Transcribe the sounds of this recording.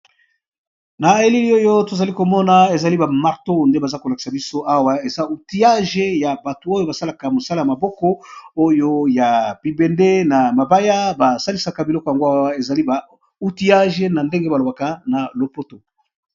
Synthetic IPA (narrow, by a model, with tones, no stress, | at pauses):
na˨e˦li˦li˦o˦jo˦to˨za˨li˦ko˨mɔ˦na˦e˨za˨li˦ba˨ma˨ʁto˦nde˦ba˨za˦ko˨la˨ki̥˨sa˨bi˦so˦ʔa˦wa˦e˨za˦u˨ti˦a˦ʒe˦ja˨ba˨to˨o˦jo˦ba˨sa˦la˨ka˨mo˨sa˦la˦ja˨ma˨bɔ˦kɔ˦o˦jo˦ja˨bi˨be˨nde˦na˨ma˨ba˦ja˦ba˨sa˦li˦sa˨ka˨bi˨lɔ˦kja˨ŋɡo˦a˦wa˦e˨za˨li˦ba˨ | u˦ti˦a˦ʒe˦na˨nde˦ŋɡe˦ba˨lo˨ba˨ka˦na˨lo˨po˦to˨